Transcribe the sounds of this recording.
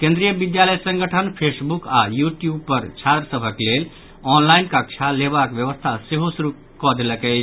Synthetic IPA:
kẽnd̪ɾijəbid̪jaləjsə̃ŋɡəʈʰənpʰesbuka̰juʈjubpəɾt͡ʃʰat̪ɾəsəbʱəklel | ɔnlainkakt͡ʃʰaleβakbjəβəst̪ʰaseɦosuɾu | kɔd̪eləkəɪt͡ʃʰ

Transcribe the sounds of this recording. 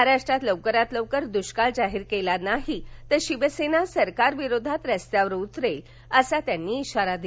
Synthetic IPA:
ɾaʂʈɾat̪ləʋkəɾat̪ləʋkəɾd̪uɕkald͡zaɦiɾkelanaɦit̪əɕiʋəsenasəɾkaɾʋiɾod̪ʱat̪ɾəst̪jaʋɾut̪ɾel | əsat̪janːiːɕaɾad̪i

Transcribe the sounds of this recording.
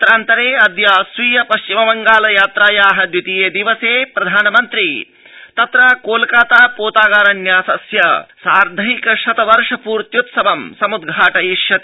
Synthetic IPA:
t̪ɾaːnt̪ɐɾeːɐd̪jaːsʋiːjɐpɐʃt͡ʃimɐbɐŋɡaːlɐjaːt̪ɾaːjaːɦɐd̪jut̪ijeːd̪iʋɐseːpɾɐd̪ʱaːnɐmɐnt̪ɾi | t̪ɐt̪ɾaːkoːlkaːt̪aːpoːt̪aːɡaːɾɐnjaːsɐsjɐsaːɾd̪ʱɐɦikɐʃɐt̪ɐʋɐɾʂɐpuːɾt̪jut̪sɐbɐmsɐmud̪ɡʱaːʈɐjiʃjɐt̪i

